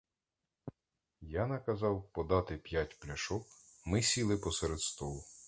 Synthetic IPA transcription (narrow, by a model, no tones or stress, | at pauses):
janɐkɐzɑwpɔd̪ɑt̪ɪpʲjatʲplʲɐʃɔkmɪsʲilˠɪpɔseɾed̪st̪ɔlˠʊ